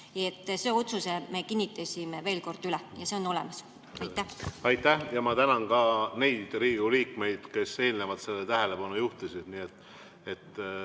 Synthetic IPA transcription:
jet̪ːˑse̞ːo̞t̪suseme̞kinʲːit̪ːˑɑsʲimeve̞ːlko̞rd̪̥ylɛjɑse̞o̞no̞lɛ̰mɑs | ɑjt̪ːæhɑjt̪ːˑæhjɑmɑt̪ænɑnkɑːne̞jd̪̥riːɡuliːkme̞jd̪̥ke̞se̞ːlnevɑt̪se̞lːet̪æɦele̞pɑnujuht̪usʲid̪̥niːet̪ːˑ | e̞t̪ː

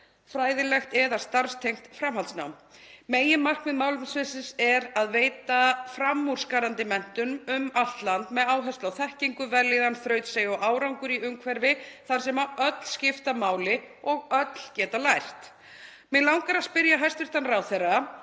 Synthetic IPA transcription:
fɾaːjðɪlɛxt̪ɛðast̪aɾ̥st̪ʰejm̥t̪fɾamɦalt̪na̰wm | meːjɪmar̥knmɛðmaːwlɪvɪsvesɪsɛɾaðveːjt̪afɾamːur̥skaɾant̪ɪmɛn̥t̪ʏmʏmal̥t̪lant̪mɛðaːwɦɛst̪awθɛhciŋkʏvɛlːɪðanθɾœːɥt̪sejɔʔaːwɾawŋkʏɾiʏmkʰvɛɾvɪθaɾ̥sɛmaœt̪l̥scɪft̪amaːwlɪ | ɔɣœt̪l̥cɛːt̪alajr̥t̪ | mɛlawŋkaɾaspɪɾjaɦajst̪vɪɾ̥t̪anrawθera

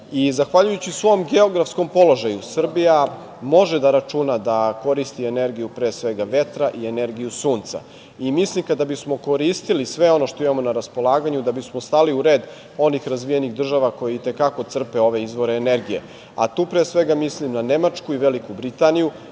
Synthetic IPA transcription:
izaxʋaʎujut͡ɕisʋo̞ːmɡe̞o̞ɡɾafsko̞mpo̞lo̞ʒajusr̩bija | mo̞ʒed̪aɾat͡ʂunad̪ako̞ɾist̪iene̞ɾɡijupɾeːsʋe̞ɡaʋe̞t̪ɾaʔiene̞ɾɡijusuːnt̪sa̰ | imislimkad̪abismo̞ko̞ɾist̪ilisʋe̞o̞no̞ʃt̪oimamo̞naɾaspo̞lˠaːɡaɲud̪abismost̪aliuɾe̞ːd̪ | o̞nixɾazʋijeniɣd̪r̩ʒaʋako̞jeit̪e̞kako̞t̪sr̩pe̞o̞ʋe̞izʋo̞ɾeːneɾɡije̞̰ | a̰t̪uːpɾeːsʋe̞ɡamislimnane̞mat͡ʂkuiʋe̞likubɾit̪aniju

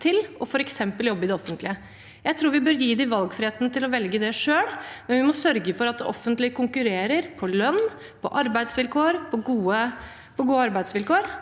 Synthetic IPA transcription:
t̪ʰɪlɔfɔɾɛksɛmpəljɔbːəɪd̪ɛɔfːənt̪lɪə | jæɪt̪ʰɾuːɾʋɪbøːɾjiːd̪ɪʋɑlɡfɾɪheːt̪ənət̪ɪlɔʋɛlɡəd̪ɛʂøːɽmɛnʋɪmɔsœɾɡəfɔɾɑt̪ɔ̰fːənt̪lɪkʊŋkʉɾeːɾəɾpʰɔlœnː | pʰɔ̰ʔɑɾbæɪd̪sʋɪlkʰoːɾpʰɔɡuːə | pʰɔɡuːəɑɾbæɪd̪sʋɪlkoːɾ

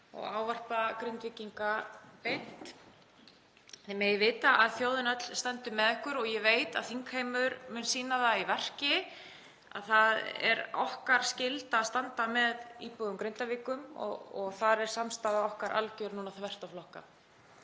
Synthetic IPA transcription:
ɔ̰ɣaːwvar̥pakɾɪnt̪vɪciŋkapejn̥t̪ | θemejvɪːt̪aʔaðθjowðɪnœt̪l̥st̪ɛnt̪ʏmɛðɛhkʏɾɔɣjɛveːjt̪a̰ðθiŋkhejmʏɾmʏnsiːnaðaivɛr̥cɪ | a̰ðθaðɛ̰ɾɔhkaɾ̥scɪlt̪aːðst̪ant̪amɛðiːpɔðʏmkɾɪnt̪aviːkʏmɔ̰ɔɣθaɾɛɾ̥samst̪aːðaɔhkaɾʔa̰lcœɾnuːnaθvɛr̥t̪awflɔhka̰

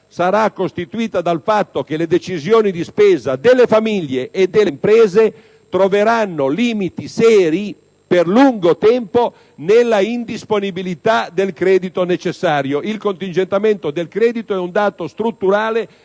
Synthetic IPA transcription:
saɾakːost̪it̪uiːt̪ad̪alfat̪ːok̟eled̪et͡ʃizjoːnid̪ispɛːzad̪elːefamiʎjːeʔːd̪ːempɾɛːze | t̪ɾoveɾanːoliːmit̪isɛːɾi | perluŋɡot̪ɛmpo | nelːaind̪isponibilit̪ad̪elkɾɛːd̪it̪onet͡ʃesːaːɾjoʔilkont̪ind͡ʒent̪ament̪od̪elkɾɛːd̪it̪oɛund̪aːt̪ost̪ɾut̪ːuɾaːle

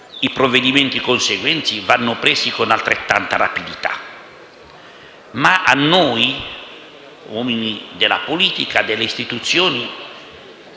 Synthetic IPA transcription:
ipɾovːed̪iment̪ikonseɡwɛnt̪sivanːʊpɾeːsikonalt̪ɾet̪ːant̪ara̰pid̪it̪a̰ | maʔa̰nːoj | wɔːminid̪elːa̰poliːt̪ikad̪elːeist̪it̪ut̪sːjoːni

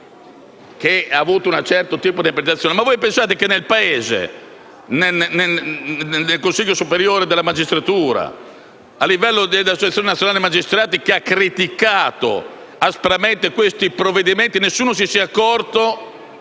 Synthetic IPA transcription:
keaːvuːt̪ounat͡ʃɛrt̪ot̪iːpod̪iapɾet̪at̪sːjoːnemavojpensaːt̪ekenːelpaeːzḛ | nene | elkonsiʎːosupeɾjoːɾed̪elːamad͡ʒist̪ɾat̪uːɾa̰ | alːivɛlːod̪ed̪asot͡ʃat̪sjoːnenat̪sjonaːlemad͡ʒist̪ɾaːt̪ikeakːɾit̪ikaːt̪o̰ | aspɾament̪ekwest̪ipɾovːed̪iment̪inesːuːnos̬isiːakːɔrt̪o

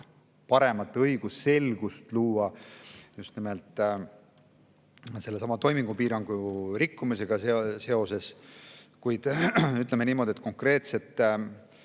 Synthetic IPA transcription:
pɑɾe̞mɑt̪ːˑɤjɡ̥usːe̞lɡ̥ust̪luːɑjust̪nimelt̪ˑ | se̞lːe̞sɑmɑt̪o̞jmiŋɡ̥upiːɾɑŋɡ̥uɾikːumise̞ɡ̥ɑsese̞o̞se̞s | kujd̪̥yt̪ˑleme̞niːmo̞d̪iet̪̚ko̞ŋkre̞ːt̪se̞t̪ˑː

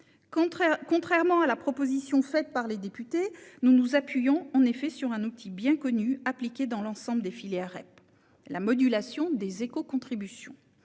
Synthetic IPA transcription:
kɔ̃t̪χɛʁmɑ̃alapχɔpozisjɔ̃fɛt̪̚paʁled̪epyt̪enunuzapɥijɔ̃ɑ̃nefɛsyʁɛ̃nut̪ʰibjɛ̃kɔnyaplikʲed̪ɑ̃lɑ̃sɑ̃bld̪efileaʁɛ̰p | lamɔd̪ylasjɔ̃d̪ezekokɔ̃t̪χibysjɔ̰̃

